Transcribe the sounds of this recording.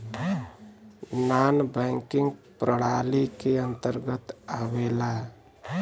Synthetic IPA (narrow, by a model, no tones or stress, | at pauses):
nanbəɪŋkɪŋɡpɾəɽ̤alikeə̃nt̪əɾɡət̪awela